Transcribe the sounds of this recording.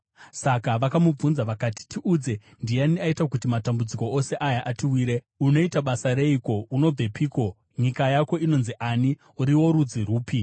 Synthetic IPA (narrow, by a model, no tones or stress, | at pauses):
sakaʋakamub͡vunzaʋakati̥tʰiʔud͡ze̞ | ndijaniaitak̬utimatambud͡ziko̞ose̞ʔajaʔatiwiːɾe̞ | uno̞itaɓasaɾe̞iko̞uno̞b͡ve̞pʰiːko̞ | ɲikajako̞ino̞nziʔani | uɾiwo̞ɾud͡ziɾuːpi